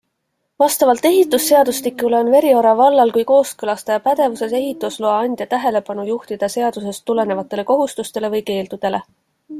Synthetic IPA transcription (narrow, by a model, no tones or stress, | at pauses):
vɑst̪ɑvɑlt̪ːˑe̞ɦit̪ːˑusːe̞ɑd̪̥uslikːˑule̞o̞nve̞ɾio̞ɾɑvɑlːɑlkujko̞ːskɤlɑst̪ɑjɑpæd̪̥e̞vuse̞se̞ɦit̪ːˑusloɑɑnʲd̪̥ʲjɑt̪æɦe̞le̞pɑnujuht̪id̪̥ɑse̞ɑd̪̥use̞st̪ːule̞ne̞vɑt̪ːˑe̞le̞ko̞ɦust̪ust̪e̞le̞vɤjke̞ːld̪ud̪̥e̞le̞